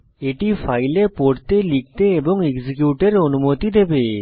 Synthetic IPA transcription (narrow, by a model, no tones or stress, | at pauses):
eʈipʰajlepoɽt̪elik̚t̪eːbɔŋeɡsikjuʈeɾonumot̪id̪ebe